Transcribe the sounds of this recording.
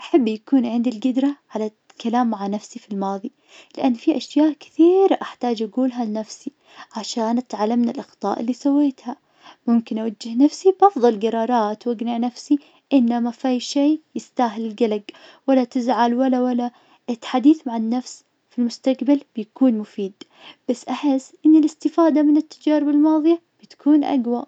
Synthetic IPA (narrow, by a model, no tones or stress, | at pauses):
ʔaħabːjakuːnʕɪnd̪ilɡɪd̪ɾˤaʕala | kalaːmːaʕanafsifilmɑːðˤi | lɪʔanːfiʔaʃjaːʔkɪ̥θiːɾʔaħt̪aːd͡ʒʔaɡuːlɦalɪnafsi | ʕaʃaːnʔat̪ʕalːamnalʔɑxt̪ˤɑ̰ːʔɪlːiːsawːeːt̪ha | mʊmkɪnʔawad͡ʒːɪhnafsibʔɑfðˤɑlɡɑɾˤɑːɾˤɑːt̪waɡnɪʕnafsi | ʔɪnːamafajʃeːjɪst̪aːɦɪlɪlɡalaɡwalːat̪ɪzʕalwalːawalːa | ɪt̪ːḁħad̪iːθmaʕɪnːafs | filmʊst̪aqbalb̥jakuːnmʊfiːd̪ | b̥asːʔaħɪsːʔɪnːɪlɪst̪ɪfaːd̪amɪnɪt̪ːad͡ʒaːɾɪbɪlmɑːðˤijab̥ɪt̪ḁkʰuːnʔa̰ɡwa